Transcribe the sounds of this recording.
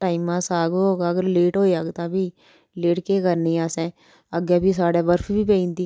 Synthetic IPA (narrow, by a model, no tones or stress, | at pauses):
ʈaːɪmãːsaːɡooːɡaəɡəɾleːʈɦoːiaːɡt̪ãːbʱiː | leːʈkekəɾnĩaːsɛ̃ː | əɡeːbʱiːs̬aːɽeːbəɾfbiːpeːĩːnd̪iː